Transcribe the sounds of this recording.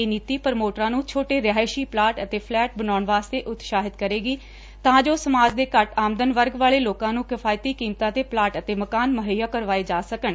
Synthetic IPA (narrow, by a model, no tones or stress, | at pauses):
eːniːt̪iːpəɾmoːʈɾãːnũːt͡ʃʰoːʈeːɾɪaːɪʃiːplaːʈət̪eːpʰlɛːʈ̚bənaːʊɳʋaːst̪eːʔʊt̪ʃaːɦɪt̪kəɾeːɡiː | t̪ãːd͡ʒoːsəmaːd͡ʒd̪eːkəʈaːmd̪ənʋəɾɡʋaːleːloːkãːnũːkɪfʰaːjt̪iːkiːmt̪ãːt̪eːplaːʈət̪eːməkaːnməɦəjaːkəɾʋaːeːd͡ʒaːsəkən